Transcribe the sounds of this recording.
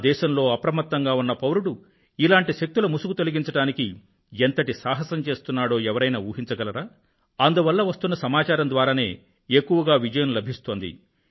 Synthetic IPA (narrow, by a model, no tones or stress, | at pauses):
d̪ɛːʃɐmlo̞ːɐpɾɐmɐt̪ːɐŋɡaːunːɐpɐwɾuɽu | ilaːɳʈiʃek̚t̪ulɐmusukut̪o̞liɡiɲt͡ʃɐɽaːniki | ent̪ɐʈisaːɦɐsɐmt͡ʃe̞ːst̪unːaːɽo̞ːɛʋɐɾɐjnaːuːɦiɲt͡ʃɐɡɐlɐɾaː | ɐnd̪uʋɐlːɐʋɐst̪unːɐsɐmaːt͡ʃaːɾɐnd̪ʋaːɾaːne̞ː | ekːuʋɐɡaːʋid͡ʒɐjɐmlɐbʱist̪o̞ːnd̪ḭ